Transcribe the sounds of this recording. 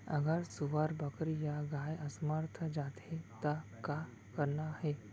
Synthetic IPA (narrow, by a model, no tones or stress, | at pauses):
ə̰ɡaɾsuʋaɾbəkɾijaɡajəsmaɾt̪ʰəd͡ʒat̪et̪aka | kəɾnaɦe